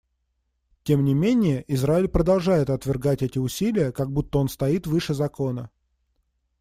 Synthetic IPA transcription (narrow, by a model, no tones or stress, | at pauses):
tʲe̞mnʲɪmʲenʲɪjəʔɪzɾaɪlʲpɾəd̪ɐlˠʐajɪt̪ɐt̪vʲɪrɡatʲɛtʲɪʊsʲilʲɪjəkaɡ̚but̪ːəo̞nst̪ɐit̪vɨʂɨzɐko̞nə